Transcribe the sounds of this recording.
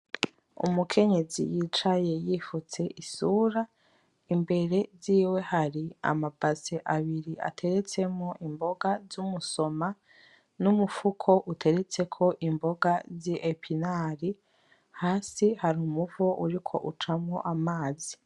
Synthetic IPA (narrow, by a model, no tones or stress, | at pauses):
ṵmukʰe̞ɲe̞zḭjit͡ʃaje̞jifut͡se̞ʔisuːɾa | imbe̞ɾe̞ziːwe̞haɾia̰mab̥aseʔaβiɾiʔa̰tʰe̞ɾe̞t͡se̞moʔimbo̞ɡazumuso̞ma | numufukʰo̞ʔutʰe̞ɾe̞t͡se̞kʰo̞ʔimbo̞ɡaziʔepʰinaɾi | haːsihaɾumuvoʔṵɾikʰo̞̰ʔut͡ʃamŋoʔamaːzi